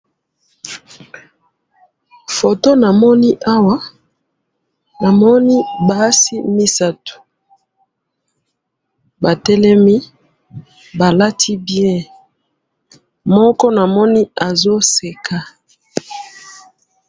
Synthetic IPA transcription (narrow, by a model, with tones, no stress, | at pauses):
fo˨to˦na˨mɔ˦ni˦ʔa˦wa˦ | na˨mɔ˦ni˦ba˦si˦mi˦sa˦tu̥˨ | ba˨tɛ˦lɛ˦mi˦ | ba˨la˦tʰi˦bjɛ̃˦ | mɔ˦kɔ˦na˨mɔ˦ni˦a˨zo˦se˨kʰa˨